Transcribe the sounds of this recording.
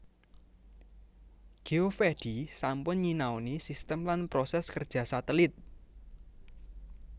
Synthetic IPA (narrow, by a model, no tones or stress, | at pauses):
ɡ̥eofeɖ̥isampʊnɲinaonisist̪əmlanpɾosɛskərd̥ʒ̥ä̤sat̪əlɪt̪̚